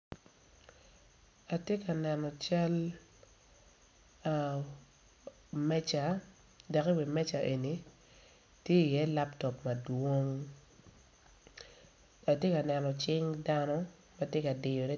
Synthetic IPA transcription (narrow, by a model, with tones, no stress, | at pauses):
a˨tje˦ka˨nɛ˨nɔ˨t͡ʃa˦l | mɛ˦t͡ʃa˨ | da˨ki˦wi˨mɛ˦t͡ʃa˨ʔe˨ni˨ | tje˦i˨jɛ˦la˦ptɔ˨pmɐ˨dwo˦ŋ | a˨tje˦ka˨nɛ˨nɔ˨t͡ʃɪ˦ŋda˦nɔ˦ | ma˦tje˦ka˨dɪ˨jɔ˨ɾɛ˦